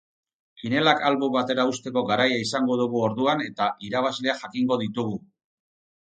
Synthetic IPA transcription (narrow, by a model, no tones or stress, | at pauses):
kine̞lakalβuβat̪e̞ɾaust̪e̞ko̞ɣaɾajaisaŋɡo̞ðuɣuo̞ɾðuane̞t̪aʔiɾaβ̞azle̞aʝakiŋɡo̞ð̞it̪uɣ̞u